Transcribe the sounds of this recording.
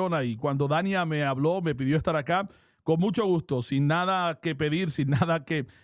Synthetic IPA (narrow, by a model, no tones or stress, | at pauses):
onaikwand̪o̞ðanjame̞aβlo̞me̞p̬iðjoest̪aɾaka | ko̞nmũt͡ʃo̞ɣ̞ust̪o̞sinːaðake̞pe̞ðiɾsinːaðake